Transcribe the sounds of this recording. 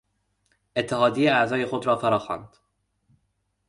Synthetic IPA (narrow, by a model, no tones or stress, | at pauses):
ʔet̪ʰːeɦɒːd̪ijeæzɒːje̞xod̪ɾɒːfæɾɒːxɒ̰ːnd̪̥